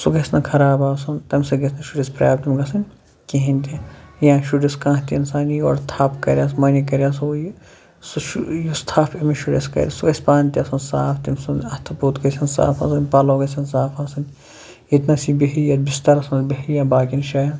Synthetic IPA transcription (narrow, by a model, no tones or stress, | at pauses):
suɡɐsnɐkʰɐɾaːbaːsɐnt̪ɐmsɐɡɐsnɐʃuɖispɾʲa̰ːb̚t̪imɡɐsɐnʲ | keɦĩnʲt̪ʲijãːʃuɖiskãːɦt̪ʲiɐnsaːnijo̰ːɾt̪ʰaːpkɐɾʲjaːs̬mɐnʲikɐɾʲjaːsuj | suʃujust̪ʰaːfimiʃuɖḛskɐ̰ɾʲḭsuɡɐsʲpaːnʲt̪ʲiɐsɐnsaːfʰt̪imsunɐt̪ʰɐpuːt̪kɐsʲɐnsa̰ːfʰɐsɐnʲpaːloːɡɐsʲɐnsaːfasɐn | it̪nɐsibeɦijat̪bist̪ɐɾɐsɐnbeɦijabaːkinʃaːjɐn